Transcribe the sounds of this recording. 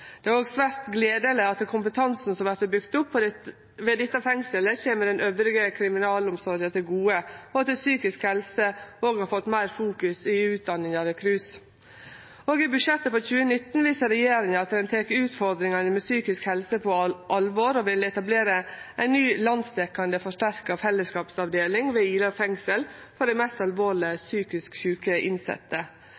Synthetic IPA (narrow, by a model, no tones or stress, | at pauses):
d̪̥ɛæɾoːɡsʋæɾt̪ɡleːd̪ələɑt̪ːɛkʰʊmpət̪ʰɑnsn̩sɔmʋæɾt̪əbʏkt̪ʊpː | ʋɛd̪ɛt̪ːɑfɛŋsələçeːməɖ̪ɛnøːʋɾɪɡəkʰɾɪmɪnɑːlʊmsɔɾət̪ʰɪlɡuːəɔɑt̪ːɛsyːkɪskhɛlsəoːɡhɑɾfɔt̪ːmæɪɾfuːkʉsɪʉːt̪̚d̪ɑnːɪŋɑʋɛkʰɾʉːs | oːɡɪbʉʂɛt̪ːəfɔçʉːənɪt̪ːn̩ʋiːsəɾɛjeːɾɪŋəɑt̪d̪ɛnt̪ʰeːkʉːt̪fɔɾd̪ɾɪŋɑnəmɛsyːkɪskhɛlsəpʰɔʔɑlʋɔɾɔʋɪlɛt̪ɑbleːɾəʔæɪnnyːlɑnd̪st̪ɛkɑnd̪əfɔʂʈæɾkəɔfɛlːəskɑːpsɑʋd̪eːlɪŋʋɛiːləfɛŋsəlfɔɖɛmɛst̪ɑlʋoːɭɪəsyːkɪskçʉːkəʔɪ̰nsɛ̰t̪ːə